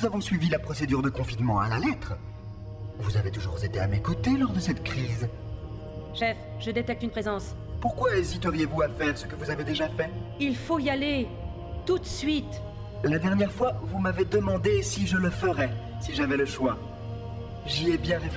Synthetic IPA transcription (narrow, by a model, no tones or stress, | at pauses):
nuzavɔ̃sɥivilapχɔsed̪yʁd̪əkɔ̃finmɑ̃a̰lalɛt̪χə | vuzavet̪uʒṵʁzet̪eamekot̪elɔʁd̪əsɛt̪kχiz | ʃɛf | ʒəd̪et̪ɛk̚t̪ynpχezɑ̃s | puʁkwaezit̪əʁijevuafɛʁsəkəvuzaved̪eʒafɛilfoiale | t̪ut̪sɥit̪ | lad̪ɛʁnjɛʁfwavumaved̪əmɑ̃d̪esiʒələfəʁɛ | siʒavɛləʃwa | ʒiɛbjɛ̃ʁef